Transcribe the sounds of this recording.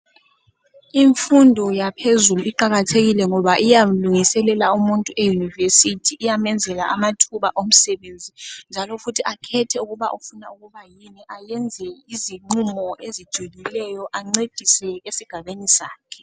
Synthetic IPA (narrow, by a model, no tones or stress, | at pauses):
iɱfundʱɔjapʰezuluiǃaɣatʰeɣilɛŋɔβaʔijaluŋisɛlɛlaumuntʼuʔejunivesitʰiːjamɛnd͡zʱɛla̰ʔamatʰuβaʔom̩sɛβend͡zʱind͡ʒʱalɔfutʰiʔakʰɛtʰɛuɣuβaʔufunauɣuβajiniʔajɛnd͡zʱɛiziŋ͡ǃumɔʔezid̥ʒ̥ʱulilɛjɔʔaŋ͡ǀed̥ʱisɛɣesiɡ̥ʱaβenisaːkʰɛ̥